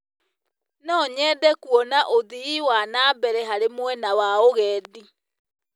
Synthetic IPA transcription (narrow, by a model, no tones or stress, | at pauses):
nɔɲɛːdɛkuɔnaʔoðiiwanaːbɛɾɛɦaɾemwɛnawaoɣɛːdi